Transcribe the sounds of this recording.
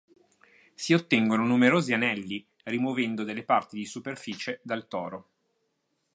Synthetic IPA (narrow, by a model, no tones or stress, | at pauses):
siot̪ːɛŋɡononumeɾoːzianɛlːi | rimovɛnd̪od̪elːepart̪id̪isuperfiːt͡ʃed̪alt̪ɔːɾo